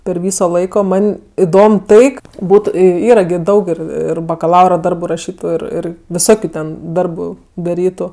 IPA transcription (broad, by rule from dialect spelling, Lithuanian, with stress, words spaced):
pʲɛr ˈʋʲiːsoː ˈlˠɐɪkoː ˈmɐnʲ ɪˈdoːm ˈtɐɪ k ˈbuːtʊ ˈiːrɐ ɡʲɪ ˈdɐʊk ˈɪr ɪr bɐkɐˈlˠɐʊrɐ ˈdɐrbʊ rɐˈʃʲiːtʊ ɪr ˈɪr ʋʲɪˈsoːkʲʊ tʲɛn ˈdɐrbʊ dɐˈrʲiːtʊ